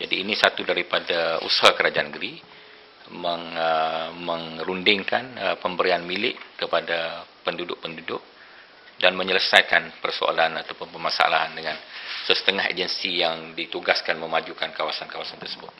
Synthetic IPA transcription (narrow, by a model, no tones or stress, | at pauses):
d͡ʒadiːnisat̪udaɾipadaṵsahakəɾad͡ʒanəɡəɾi | məŋəməŋɾundɪŋkanəpəmbəɾianmilɪʔkəpadapəndudʊʔ̚pəndudʊʔ̚ | danməɲələsajkanpərso̰a̰lanat̪awpʊnpərmasaa̰la̰ɦandəŋãnsəsə̥t̪əŋahɦḛd͡ʒənsijaŋdit̪uɡaskanməmad͡ʒukankawasankawasant̪ərsəbʊt̪̚